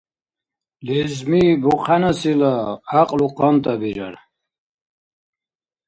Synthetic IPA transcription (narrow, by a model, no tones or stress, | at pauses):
lɛzmibuqʰanasilaaqʼluqʰɔnt̪ʼabiɾa̰ɾ